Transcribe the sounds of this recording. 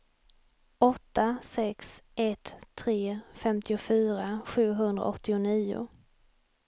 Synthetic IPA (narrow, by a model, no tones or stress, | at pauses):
ɔt̪ːasɛksʔɛt̪ʰːɾeːfɛmt̪ɪʊfyːɾaɧʉ̟ːɦɵnd̪ɾa̰ɔt̪ːɪʊniːʊ̰